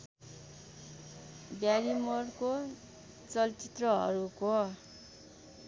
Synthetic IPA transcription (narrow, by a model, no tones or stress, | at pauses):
bjaɾimʌrko | t͡sʌlt͡sit̪rʌɦʌ̰ɾuko